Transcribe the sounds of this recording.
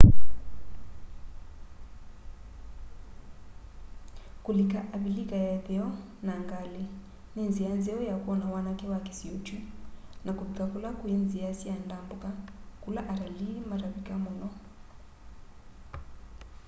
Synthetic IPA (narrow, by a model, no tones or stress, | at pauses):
kulikaʔaβilikajaðɛɔ | naŋɡali | nenzijanzɛɔjakuɔnawanakɛwakɛ̥siut͡ʃinakuðikakulakwinzijasiandambukakulaʔaɾalimaɾaβikamɔnɔ